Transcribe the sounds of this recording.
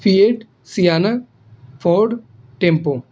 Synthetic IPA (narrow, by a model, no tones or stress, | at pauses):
fijeʈ | sijaːna | fʰoːɖ | ʈẽmpo